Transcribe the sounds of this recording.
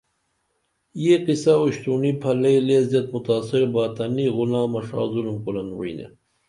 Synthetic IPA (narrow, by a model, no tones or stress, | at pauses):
jeqisauɕt̪unipʰɐlɐjleːzɐt̪̚mut̪aːsiɾbaːt̪ɐniɣulãːmɐʂa̰ːzulmkulɐnwṵḭnḛ